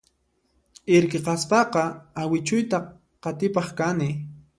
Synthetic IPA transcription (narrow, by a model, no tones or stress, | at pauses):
ɪɾkeqɑspɑqɑawɪt͡ʃʊjt̪a | qɑt̪ɪpɑχkanɪ